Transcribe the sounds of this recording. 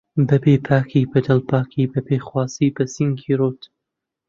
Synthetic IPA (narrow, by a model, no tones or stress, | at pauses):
bɐbeːpʰaːkʰiːbɐd̪ɐlpʰaːkʰiːbɐbeːxwaːziːbɐsiŋkʰiːɾoːt̪